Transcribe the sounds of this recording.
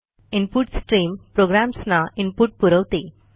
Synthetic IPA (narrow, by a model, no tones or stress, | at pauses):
impuʈsʈɾiːmpɾoɡɾamsnaimpuʈ̚puɾəʋt̪i